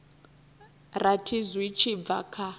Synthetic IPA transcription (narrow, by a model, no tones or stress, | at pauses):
ratʰizwit͡ʃʰib̪va̰kʰa